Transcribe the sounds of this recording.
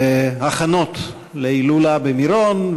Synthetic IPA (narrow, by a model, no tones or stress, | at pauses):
eaχano̞t̪ | leilulabemiɾon